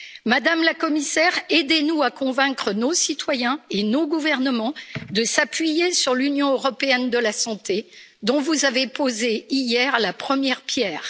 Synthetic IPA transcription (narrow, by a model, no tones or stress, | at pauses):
mad̪amlakɔmisɛʁed̪enuakɔ̃vɛ̃kχənosit̪wajɛ̃enoɡuvɛʁnəmɑ̃d̪əsapɥijesyʁlynjɔ̃øʁɔpeɛnd̪əlasɑ̃t̪e | d̪ɔ̃vuzavepozeijɛʁlapχəmjɛʁpjɛːʁ